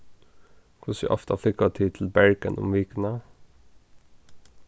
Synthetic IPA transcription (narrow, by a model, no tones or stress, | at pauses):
kʰʊsjɛ̰ʔɔft̪ɑflɪkɑt̪ʰiːt̪ʰl̩bæɹkənʊ̰mʋiːkənɑ